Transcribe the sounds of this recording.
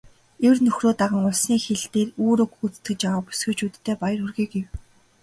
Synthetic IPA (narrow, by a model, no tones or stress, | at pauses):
ewrnɵxroːt̪aʁə̆ŋʊɮsniːxeɮt̪eːruːɾɵkut͡st̪ɡɘ̆t͡ɕjawaːpu̥sɡɘ̆t͡ɕut̪ːʰeːpajə̆rɵrɣiːɡɡew